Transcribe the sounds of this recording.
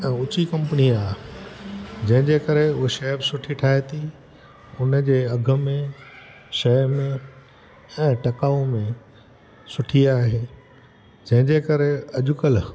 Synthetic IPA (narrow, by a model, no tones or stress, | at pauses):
ɛ̃ːʊt͡ɕikɐ̃mpəniaːɦ | d͡ʑɐ̃ɦɪ̃ɲd͡ʑekɐɾeʊɦeʃɛɦbsʊʈʰiʈʰaːɦet̪ʰi | ʊnəd͡ʑeːɐɡʱə̆mẽ | ʃɐːmẽ | ɛ̃ːʈɐkaːõmẽ | sʊʈʰiaːɦeː | d͡ʑɐ̃ɦɪ̃ɲd͡ʑekɐɾeɐʄʊkəl